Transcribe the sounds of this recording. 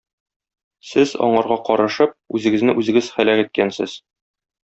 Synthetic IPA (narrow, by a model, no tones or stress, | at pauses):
sɘzɒ̰ɴɑɾʁɑqɒɾɤ̆ʃɤp̚ʉzɘ̆ɡɘ̆znɘʔʉzɘ̆ɡɘzχælæqit̪̚kænsɘ̰z̥